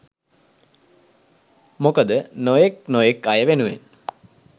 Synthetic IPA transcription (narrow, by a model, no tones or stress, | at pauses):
mokəd̪ənojeknojekajəʋenuʋḛn